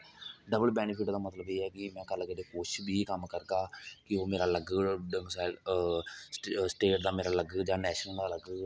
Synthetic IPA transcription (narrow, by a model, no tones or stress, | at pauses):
ɖəbəlbɛːnɪpʰɪʈd̪aːmət̪ləbeːɛːkɪmɛ̃ːkəlkəd̪eːkot͡ʃʰbʱiːkəmkəɾɡaːkɪoːmeːɾaːləɡɖəŋɡsaːɪl | sʈeːʈd̪aːmeːɾaːləɡəd͡ʒãːnɛːʃnəd̪aːləɡ